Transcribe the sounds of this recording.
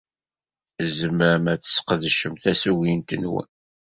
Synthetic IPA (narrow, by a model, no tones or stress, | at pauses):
zəməɾəmæt͡sːə̥sːqðʃəmθæsuwint̪ənwə̰n